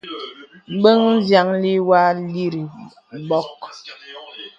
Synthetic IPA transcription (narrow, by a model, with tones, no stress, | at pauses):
m̩˦bə˦ŋn̩˦zja˨˦ŋli˦wa˦li˦ɾi˨ | bɔ˦k̚